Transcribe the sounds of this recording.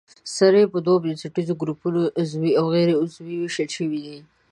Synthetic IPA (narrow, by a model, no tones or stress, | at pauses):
saɾepəd̪wobjensɪʈizoɡɾupunoʔʊzwiawɣɛɾeʊzwiweʃəlʃəwid̪i